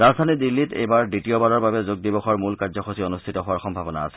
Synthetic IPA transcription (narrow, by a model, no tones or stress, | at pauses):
ɹazdʱanidilːitḛjbaɹditiɔbalɔɹbabɛzuɡ̚dibɔxɔɹmulkaɹzɔxosionustʰitɔɦʊaɹxɔmbʱabɔna̰a̰sɛ̥